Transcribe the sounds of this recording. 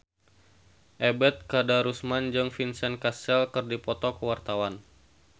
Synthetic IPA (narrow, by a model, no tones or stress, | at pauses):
ʔɛbɛt̪̚kadaɾusmand͡ʒəŋfinsɛnkasɛlkərdipɔt̪ɔkəwart̪awan